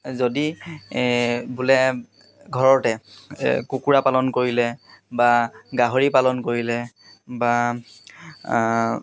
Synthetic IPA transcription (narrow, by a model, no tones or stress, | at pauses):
zodi | bulɛ | ɡʱɔɹɔtɛ | kukuɹapalɔnkoɹilɛbaɡaɦoɹipalɔnkoɹilɛ | ba